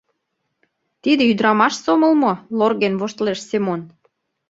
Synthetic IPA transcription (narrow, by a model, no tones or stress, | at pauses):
t̪id̪ĕyd̪ɾɑmɑʃsomə̆lmolorɣenvoʃt̪leʃsemon